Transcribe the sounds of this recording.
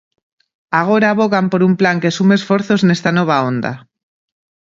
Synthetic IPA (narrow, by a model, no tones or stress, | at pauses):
aɣ̞o̞ɾaβo̞ɣampo̞ɾumplaŋkesumeːsfo̞ɾθo̞zne̞st̪ano̞β̞aond̪a̰